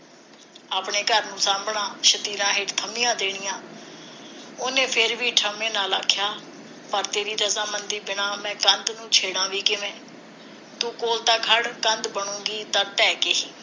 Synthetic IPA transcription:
aːpɳeːkəɾnũːsaːmbɳãːʃət̪iːɾãːɦɪʈt̪ʰəmijãːd̪eːɽ̃ɪjãː | oːnẽːpʰɪɾʋiːʈʰəmẽːnaːlaːkʰːjaː | pəɾt̪eːɾiːd̪əsãːmənd̪iːbɪnãːmɛ̃ːkənd̪nũːt͡ʃʰeːɽãːʋiːkɪʋẽː | t̪uːkoːlt̪ãːkʰəɽkənd̪bəɳũːɡiːt̪ãːt̪ɛːkeːɦiː

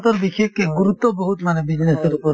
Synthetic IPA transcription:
t̪ɔɾbixekːeɡuɾut̪ːɔboɦut̪manebid͡ʑneseɾupɔ

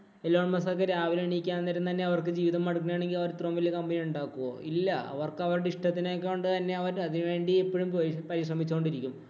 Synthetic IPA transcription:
elːoːmɐsokːeɾaːʋileɳikʲːaːnnɐɾunt̪ɐnːe̞ɐʋɐrkɨd͡ʑiːʋiðɐmːɐɽukːinaːɳe̞ŋɡilɐʋɐɾt̪romːilkɐmbɐniuɳɖaːkːuʋoːilːɐɐ̰ʋɐrkɐʋɐɾuɽeiʂʈɐt̪ːinokːeoɳɖɨt̪ɐnːe̞ɐʋɐɾɐðinʋe̞ːɳɖiepːoɻumpopɐɾiʂrɐmit͡ɕːukoɳɖiɾikʲːum

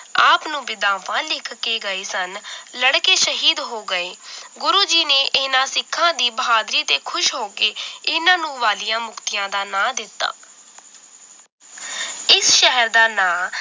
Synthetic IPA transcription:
aːpnũːbɪd̪aːʋãːlɪkʰkːeːɡəeːsənləɽkeːʃəɦiːd̪ɦoːɡəeːɡʊɾuːd͡ʒiːneːʔɪnãːsɪkʰːãːd̪iːbəɦaːd̪ɾiːt̪eːkʰʊʃɦoːkeːɪnãːnũːʋaːlijãːmʊkt̪ɪjãːd̪aːnãːd̪ɪt̪ːa̰ː | ɪsʃəɦəɾd̪aːnãː

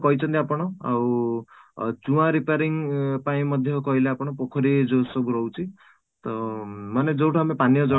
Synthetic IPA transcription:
kɔɦit͡ʃʰɔnt̪iapɔɽ̃ɔa̰w | t͡ʃuwãɾipaɾiŋpaĩmɔd̪ʱjɔkɔɦileapɔɽ̃ɔpokʰɔɾid͡ʒosɔɡuɾɔwt͡ʃʰi | t̪ɔmaned͡ʒowʈʰaːmepanijɔd͡ʒɔ

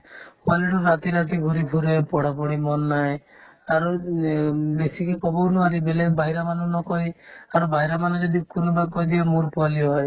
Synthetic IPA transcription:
waleʈɔɾat̪iɾat̪iɡʱuɾibʱuɾepɔɽapɔɽimɔnːaeaɾu | besikekɔbɔnuat̪ibelebaɦiɾamanɔnɔkɔiaɾubaɦiɾamanɔd͡ʒɔd̪ikunɔbakɔɦid̪iamuɾpaliɦɔe

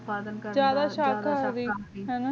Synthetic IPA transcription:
zjaːd̪aːʃaːkɦaːd̪iːɦɛna

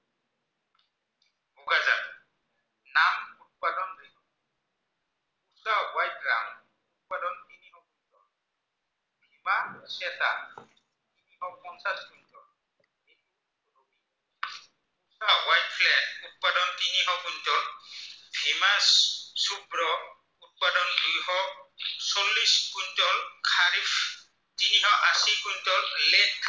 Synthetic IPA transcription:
uɡaza̰ | namut̚padɔndinɔ | usawajt̚ɾa̰m | ut̚padɔntiniɦɔkuntɔ | bʱimasɛta̰ | tiniɦɔpɔnsatkuntʰɔ | iniɔ | uɾubi | ɔsawajt̚pʰlɛnut̚padɔntiniɦɔkuntɔlbʱimassubɹɔ | ut̚padɔndujɦɔksolːiskuntɔlkʰaɾif | tiniɦɔʔasikuntɔllɛk

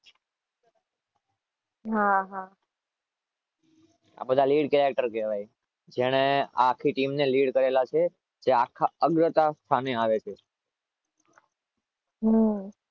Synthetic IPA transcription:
ɦaɦa | a̰bəd̪ʱaliɽkeɾek̚ʈəɾkɛʋaj | d͡ʒeɽ̃ea̰kʰiʈimneliɽkəɾelat͡ʃʰe | d͡ʒeakʰaəɡɾət̪ast̪ʰaneaʋet͡ʃʰe | ɦ

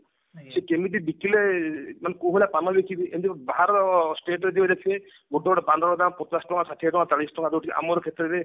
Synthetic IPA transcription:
sekemid̪ibikilemanekowɦelapanɔbekʰid̪iʔemd̪ibbaɦaɾsʈeʈɾed̪ibad̪ekʰe | ɡoʈːɔɡɔɽepand̪ɔɽɔɡ̪ampɔt̪asʈɔŋɡasaʈʰiaʈɔŋɡat̪aɽisʈɔŋɡad̪oʈiʔa̰mɔɾɔkʰet̪ɾɔɾe

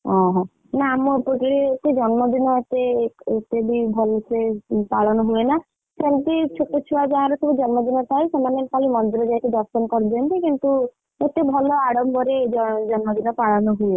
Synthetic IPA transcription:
ɔ̃ɦɔ̃ | naːmɔpɔkiɾet̪ed͡ʒɔnmɔd̪inɔet̪eket̪ebibʱɔlsepaɭɔnɔɦuena | sent̪it͡ʃʰoʈɔt͡ʃʰuwad͡ʒaaɾɔsebud͡ʒɔnmɔd̪inɔt̪ʰajsemanekalimɔnd̪iɾɔd͡ʒajt̪ed̪ɔɾsɔnkɔɾid͡ʒ̪ɔnt̪ikint̪u | et̪ebʱɔlɔaɽɔmbɔɾed͡ʒd͡ʒɔnmɔd̪inɔpaɭɔnɔɦue

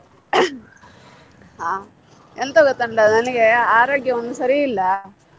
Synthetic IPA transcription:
ɦaː | ent̪ɐɡot̪ːɐɳʈɐnɐniɡe̞aːɾoːɡjɐond̪usɐɾiilːɐ

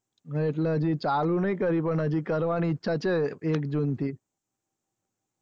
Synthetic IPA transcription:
ɦeʈleɦəd͡ʒit͡ʃalũnəikəɾipəɳɦəd͡ʒikəɾʋaniːtːʃʰat͡ʃʰeekd͡ʒunt̪ʰi

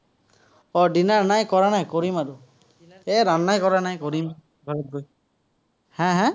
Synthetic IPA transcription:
ɔdinaɹnajkɔɹanajkoɹimaɹʊ | ɛɾanːajkɔɹanajkoɹim | ɡʱɔɹɔt̚ɡoj | hɛ̃ɦɛ̃

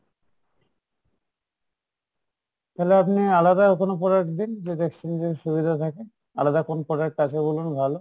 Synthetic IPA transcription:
t̪aleapnialad̪akonop̬ɔɾakd̪ind͡ʑed̪ekʃind̪eʃubid̪ʱat̪ʰake | a̰lad̪akonopɔɾakkat͡ɕʰebolunbʱalo

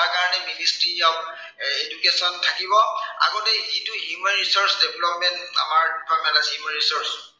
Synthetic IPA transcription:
akaɹɔnɛministɹiaʊ | edukesɔntʰakibɔa̰ɡotɛzituɦjumanɹisɔsdɛblɔpmɛnta̰maɹpʰamɛlashjumanɹisɔɹs

